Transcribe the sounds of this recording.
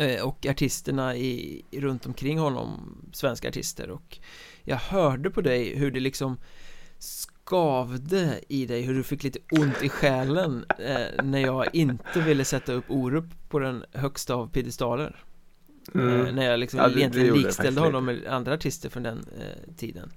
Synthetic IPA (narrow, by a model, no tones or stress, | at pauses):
ɔkaʈʰɪst̪əɳaɪɾɵnt̪ɔmkʰɾɪŋːɦɔnːɔ̰msvɛnska̰ʈʰɪ̰st̪ə̰ɾɔk | jɑ̰ːɡhœːɖəpʰɔd̪ɛjɦɵɖɛlɪksɔm | skɑːvd̪əɪd̪ɛjɦɵɖɵfɪkːliːt̪əʊnt̪ɪɧɛːlənː | æɾjɑːɡʔɪnt̪əvɪlːəsɛt̪ːaɵpːuːɾuːpːpʰːɔd̪ɛnɦœkst̪aːvpʰɪd̪ɪst̪ɑːlə̰ɾ | næɾjɑlɪksɔmjɛnɪɡnːkst̪ɛld̪əhɔnːɔmːɛland̪ɾaːʈʰɪst̪əɾfɾɔnd̪ɛnt̪ʰḭːd̪ə̰n